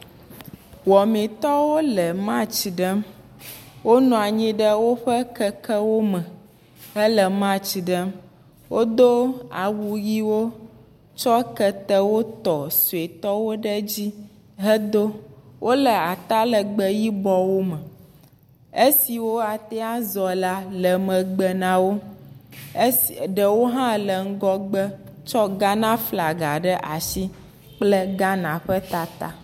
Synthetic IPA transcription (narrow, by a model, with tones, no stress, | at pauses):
wɔ˨mĩ˨t̪ɔ˦wo˦lə˨mã˦t͡ɕi˨ɖə˦ | wo˦nɔ̃˨a˨ɲĩ˦ɖə˦wo˦ɸə˦kɛ˦kə˦wo˦mɛ̃˨ | ə˦lə˨mã˦t͡ɕi˨ɖə˦ | wʔo˦d̪o˦a˨wu˨ji˦wo˦ | t͡ʃɔ˦kə˦t̪ə˦wo˦t̪ɔ˨su˨e˨t̪ɔ˦wo˦ɖə˦d͡ʑi˦ | ɦə˦d̪o˦wʔo˦lə˨a˨t̪a˦lə˨ɡ͡bə˨ji˦bɔ˦wo˦mə˨ | e˦si˨wo˦a˨t̪ɛ˦a˦zɔ˨la˦lə˨mə̃˨ɡ͡bə˨nã˦wo˦ | ɖə˨wo˦ɦã˦lə˨ŋ̩˦ɡɔ˦ɡ͡bə˦ | t͡ʃɔ˦ɡa˦nã˦fla˨ɡa˨ɖə˦ʔa˨ʃi˦ | k͡plə˦ɡa˦nã˨ɸə˦t̪a˦t̪a̰˦